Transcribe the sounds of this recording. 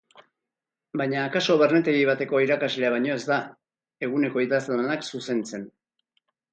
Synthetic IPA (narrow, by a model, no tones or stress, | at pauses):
bajɲaːkaso̞βe̞ɾne̞t̪e̞ɣiβ̞at̪e̞ko̞iɾakazleaβaɲo̞e̞zd̪a | e̞ɣ̞une̞ko̞iðazlanaksuse̞nt͡se̞n